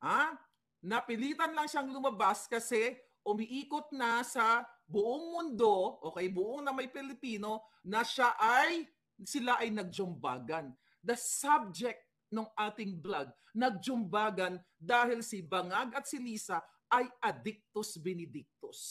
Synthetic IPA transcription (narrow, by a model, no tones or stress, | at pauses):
ʔa | nɐpɪliːt̪ɐnlɐŋʃaŋlʊmɐbaskɐsɛ | ʔʊmɪʔiːkot̪̚nɐsɐbʊʔoŋmʊnd̪o̞ʔoːkɐjbʊʔoŋnɐmɐjpɪlɪpiːno̞nɐʃaʔaj | sɪlaʔɐjnɐɡ̚d͡ʒʊmba̰ːɡɐn | d̪ɐsab̚d͡ʒɛk̚t̪̚ | noŋʔaːt̪ɪŋblaɡ̚ | nɐɡ̚d͡ʒʊmbaːɡɐn | d̪aːhɪlsɪbɐŋaɡɐt̪̚sɪliːsɐ | ʔɐjʔɐd̪ɪk̚t̪osbɛnɪd̪ɪk̚t̪os